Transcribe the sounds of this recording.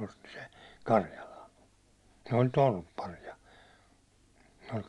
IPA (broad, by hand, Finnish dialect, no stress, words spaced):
osti se kɑrjɑlɑn̞ ne olʲ tolpːɑriɑ se olʲ